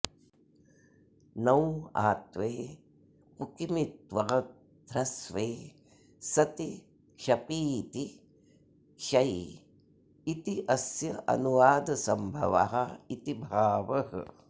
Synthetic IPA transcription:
nɐwa̰ːt̪ʋeː | pukimit̪ʋɐɡɐ | d̪ɾɐsʋeː | sɐt̪i | ʃɐpiːt̪i | ʃɐj | it̪iʔɐsjɐʔɐ̰nuʋaːd̪ɐsɐmbʱɐ̰ʋa̰ɦɐit̪ibʱaːʋɐhɐ̰

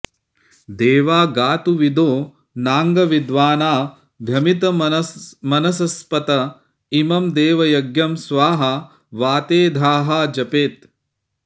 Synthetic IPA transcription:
d̪eːʋaːɡaːt̪uʋid̪oː | naːŋɡɐʋid̪ʋaːnaː | bʱjɐmit̪ɐ | mɐnɐsɐspɐt̪ɐ | imɐmd̪eːʋɐjɐɡjɐmsʋaːɦɐ | ʋaːt̪eːd̪ʱaːɦaːd͡ʒɐpeːt̪

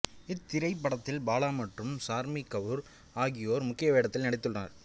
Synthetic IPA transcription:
ɪt̪ːɪɾɐɪpːɐɽɐt̪ːɪlbaːɭaːmɐʈrɯmsaːɾmikːɐʋɯɾ | aːɣɪjoːɾmʊkːɪjɐʋeːɽɐt̪ːɪlnɐɽɪt̪ːɯɭrɐnɐɾ

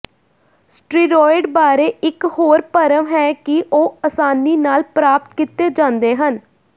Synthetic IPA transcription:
sʈɾiːɾɔːɪɖbaːɾeːʔɪkhoːɾpəɾəmɦɛːkɪʔoːəsaːniːnaːlpɾaːp̚t̪kɪt̪eːd͡ʒãːnd̪eːɦən

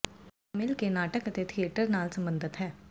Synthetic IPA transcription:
mɪlkenaːʈəkət̪et̪ʰieːʈəɾnaːlsɐ̃mbə̃nd̪ʱət̪ɦɛː

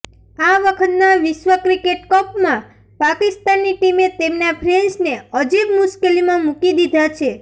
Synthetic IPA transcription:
aʋəkʰət̪naʋɪʃʋəkɾikeʈkɔpmã | pakist̪anːiʈimet̪emnapʰɾensneəd͡ʒekmʊʃkelimãmukid̪id̪ʱat͡ʃʰe

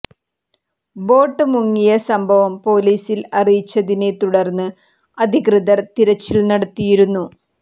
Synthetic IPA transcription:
bo̞ːʈːɨmuŋːijɐsɐmbʱɐʋɐmpo̞ːliːsilɐrijit͡ɕːɐðine̞t̪uɽɐrnːɨ | ɐd̪ʱikrɨðɐrt̪iɾɐt͡ɕːilnɐɽɐt̪ːijiɾunːu

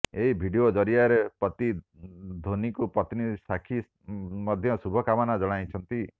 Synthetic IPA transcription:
eɦibʱiɖiod͡ʒɔɾiaɾepɔt̪i | d̪ʱonikupɔt̪nisakʰi | mɔd̪ʱjɔsubʱɔkamɔnad͡ʒɔɽ̃ajt͡ʃʰɔnt̪i

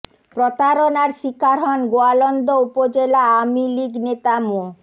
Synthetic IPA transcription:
pɾot̪aɾonaɾʃikʰːaɾɦɔnɡoalɔnd̪oupod͡ʑelaamiliknet̪amo

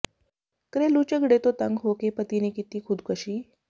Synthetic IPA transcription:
kɾelut͡ɕeɡɽet̪ot̪aŋɡɦokepət̪inekit̪iːkʰud̪kəɕiː

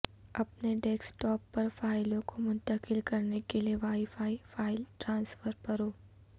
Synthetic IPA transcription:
ɐpneɖɛːksʈɔːpːɐɾfaːɪlõkomʊ̃nt̪əkɪlkɐɾnekelieʋaːɪfaːifaːɪlʈɾãːnsfəɾpɐɾoː

